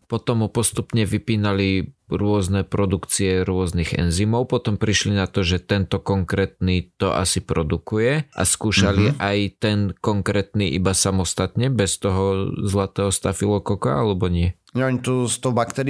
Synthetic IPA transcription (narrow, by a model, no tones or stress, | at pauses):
pɔt̪ɔmːupɔst̪upɲɛʋipiːnaliɾʊɔznɛpɾɔd̪ukt͡siɛɾʊɔzniɣɛ̰nzimɔʊpɔt̪ɔmpɾiʃlinat̪ɔʒɛt̪ɛnt̪ɔkɔŋkɾɛːt̪nit̪ɔ̰ʔa̰sipɾɔd̪ukujɛʔa̰skuːʃaliʔajt̪ɛnkɔŋkɾɛːt̪niʔibasamɔst̪at̪ɲɛbɛst̪ɔɦɔzlat̪ɛːɦɔst̪afilɔkɔkaa̰lɛbɔɲɪɛ | ɲɛɔɲit̪ɔst̪ɔɦbakt̪ɛɾ